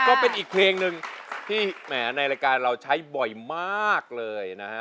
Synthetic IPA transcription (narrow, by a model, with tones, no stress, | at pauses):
kɔː˥˩pe˧nʔiː˨˩k̚pʰleː˧ŋnɯ˧ŋt̪ʰiː˥˩mɛː˩˦na˧jɾa˧jkaː˧nɾa˧wt͡ɕʰa˦˥jbɔ˨˩jmaː˥˩k̚lɤː˧jna˦˥a˦˥